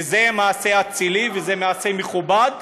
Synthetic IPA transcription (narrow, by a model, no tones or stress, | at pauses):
zemaːse̞at͡silivezemaːsemeχubad̪